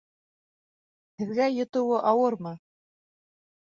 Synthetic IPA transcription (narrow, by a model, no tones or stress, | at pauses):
hɘ̆ðɡæjɤ̆t̪ɤ̆wɤʔɑwɤɾmɤ